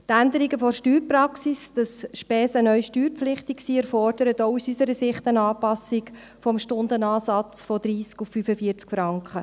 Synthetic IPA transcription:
t̪ændəɾiɡəfɔɾʃtyːɾprɑksisd̥ɑsʃpɛːsənœʏʃtyːɾpflɪχtiksiːɛɾfɔrd̥əɾətɔʊusysəɾəsɪχtənɑːpɑsik | fɔmʃtʊndənɑːsɑt͡sfɔd̥̪ɾiːskufːyfəfiːəɾt͡skfɾɑŋkχə

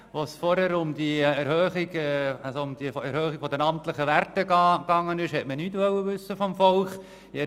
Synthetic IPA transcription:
ʋosfɔɾhæɾʊmd̥̪iɛɾhøːχiɡɛɑsoʊmd̥̪ifæɾhøːχiɡ̥fɔdənɑmtləχəʋærtəɑɡɑŋːənɪʃhɛtmənyːtʋœwəʋʉsːəfɔmfɔlχ | ɛ

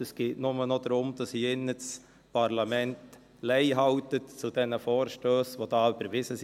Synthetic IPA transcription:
əskɪnʊmənɔd̪əɾʊmd̪əsiɪnːəts | pʰɑɾlɑmɛnt̪ | lɛɪɦɑʊt̪ət̪t͡sʊd̪ɛnəfoːɾʃtøːsʋod̪ɑːbəɾʋɪsəs

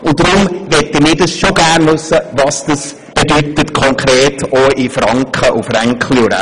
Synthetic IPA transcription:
ʊntdɾʊmʋɛtːəmɪːdəsʃoɡærnvʉsːəvɑsd̥əs | b̥edytətkʰɔŋkɾeːtʰoːifrɑŋkχəʔufrɛŋkχliuɾa̰

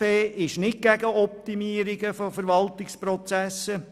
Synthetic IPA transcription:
eːʔɪʃnɪt̚ɡ̥æɡəɔp̚t̪imiəɾɪɡəfɔfəɾʋɑlt̪ɪkspɾɔt͡sæsːə

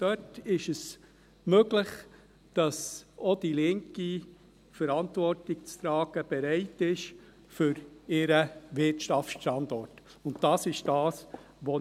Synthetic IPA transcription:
d̥œtɪʃəs | møɡlɪχ | d̥ɑsod̥ilɪŋki | fəɾɑntvɔrtɪk̚t͡st̪ɾɑːɡ̥əb̥ɛɾɛɪtɪʃ | fʏɾɪɾəʋɪtʃtɑfʃtɑndɔrt | ʊntdɑːsɪʃd̥ɑːs | ʋo

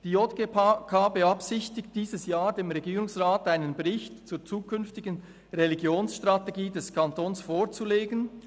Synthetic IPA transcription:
d̥iːotɡ̥epkʰabəɑpsɪçtɪkt̚d̥iːzəsjaːɹdeːmʁɛɡiːɾʊŋsʁaːtaɪnənbɛʁɪçtt͡suːt͡suːkʰʏnftɪɡən | ʁeliɡjoːnsʃtʁateɡiːdɛskʰɑntoːnsfoːʁt͡suleːɡən

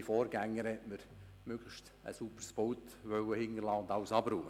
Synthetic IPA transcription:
ifɔːɾɡæŋːəɾhɛtməɾ | møːɡ̥ləʃt | ə̰supəɾsb̥owtʋœwəhɪnːərlɑːʊnd̪ɑʊsɑbɾuːə

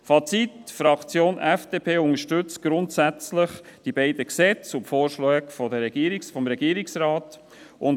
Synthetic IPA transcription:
fɑt͡sitfɾɑkt͡sjoːnʔɛfd̥eːpʰeːʊŋəʃtʏt͡s̚ɡ̥ɾʊntsæt͡sləχd̥ibɛɪd̥əksɛt͡sʊpfoːɾʃlɛːkfɔdəɾɛɡ̥iːɾɪsfɔmɾɛɡiːɾɪksrɑːt | ʔʊn

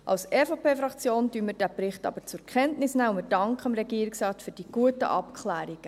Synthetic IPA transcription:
ʔɑ̰wsɛfopʰeːfɾɑkt͡sjoːndyːnmɪɾd̥æːbɾɪχtɑ̰b̥əɾt͡sʊɾkʰɛntnɪsnæːʊmɪd̥ɑŋkχəɑmɾɛɡ̥iːəɾɪksrɑːtfyːɾd̥iɡ̥uətə̰ʔɑpkʰχlæːɾiɡ̥ə

